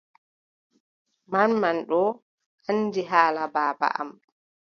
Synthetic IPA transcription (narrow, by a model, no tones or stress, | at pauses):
manmanɗɔ | ʔanːdiɦaːlabaːba̰ʔa̰m